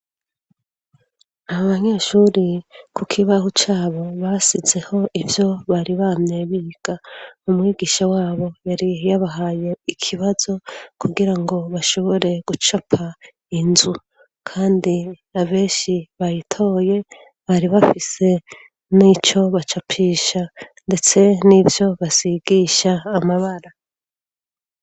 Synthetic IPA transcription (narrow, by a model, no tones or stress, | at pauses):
aβaβaɲe̞ʃuɾikʰukʰiβahut͡ʃaːβo̞βasize̞ho̞ʔivjo̞βaɾiβamɲe̞βiɡ̥aumŋiːɡiːʃawaːβo̞jaɾijaβaɦaje̞ikʰiβazo̞kʰuɡiɾaŋɡo̞βaʃo̞βo̞ɾe̞ɡ̥ut͡ʃapʰa | inzu | kʰaːndi | aβe̞ːnʃiβajitʰo̞ːje̞ | βaɾiβafise̞ | nit͡ʃo̞βat͡ʃapʰiːʃande̞t͡se̞nivjo̞βasiɡiːʃaːmaβaɾa